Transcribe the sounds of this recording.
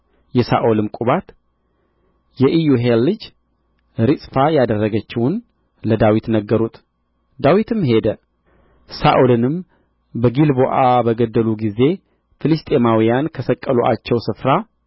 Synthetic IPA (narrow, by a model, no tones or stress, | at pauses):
jɛsa̰ʔolɨmkʼuβat̪ | jɛʔijuɦelːɨd͡ʒ | ɾɨsʼfajad̪ərːəɡət͡ʃːɪwʊn | ləd̪awit̪nəɡːəɾut̪ | d̪awit̪ʰɨmɦe̞d̪ə | saʔolɨnɨm | bəɡilboʔabəɡəd̪ːəluɡize̞ | fɨlɨst̪ʼe̞mawijankʰəsəkʼːəloʔa̰t͡ʃːɛwsɨfɾa